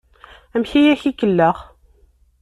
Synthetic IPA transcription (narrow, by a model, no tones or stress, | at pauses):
əmçijæçikəlːəʁ